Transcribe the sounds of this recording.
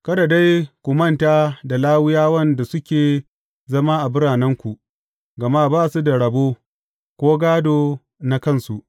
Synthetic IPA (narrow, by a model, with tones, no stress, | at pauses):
kɐ˦da˨da˦jkʷʊ˨mɐ˦ntaː˦da˨laː˦wɪ˦jaː˦wɐ˦nda˨sʊ˦kʲeː˨ | zɐ˦ma˦ʔa˨bʊ˦ɽaː˨nɛ˦ŋkʷu˨ʔ | ɡɐ˨ma˦baː˦˨su˦da˨ɽɐ˨boː˦ | kʷoː˦ɡaː˦doː˨ | na˦kɐ˦˨nsu˨ʔ